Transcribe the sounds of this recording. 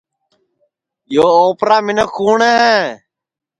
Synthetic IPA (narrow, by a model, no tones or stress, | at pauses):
joːoːpɾaːmɪnəkʰuːɳeːɦɛ̃ː